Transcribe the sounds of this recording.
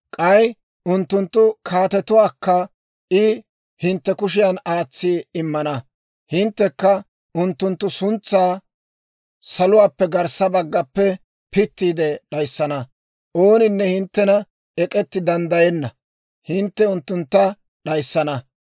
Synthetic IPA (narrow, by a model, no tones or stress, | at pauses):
kʼɐj | ʊnt̪ːʊnt̪ːʊkʰaːt̪ɛt̪ʊwaːkːɐ | ʔɪ | hɪnt̪ːɛkʊʃ̬ɪjɐnaːt͡sːiːɪmːɐnɐ | hɪnt̪ːɛkːɐ | ʔʊnt̪ːʊnt̪ːʊsʊnt͡sːaː | sɐlʊwaːpːɛɡɐɾsɐbɐɡːɐpːɛ | pɪt̪ːiːd̪ɛɗɐjsːɐnɐ | ʔo̞ːnɪnːɛhɪnt̪ːɛnɐ | ɛkʼɛt̪ːɪd̪ɐnd̪ɐjɛnːɐ | hɪnt̪ːɛʊnt̪ːʊnt̪ːɐ | ɗɐjsːɐnɐ